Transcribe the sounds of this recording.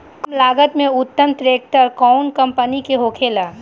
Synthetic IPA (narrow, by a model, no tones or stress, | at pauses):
kmlaːɡət̪mẽʊt̪ːəmt̪ɾeːk̚ʈəɾkɔʊnkə̃mpənikeɦoːkʰeːlaː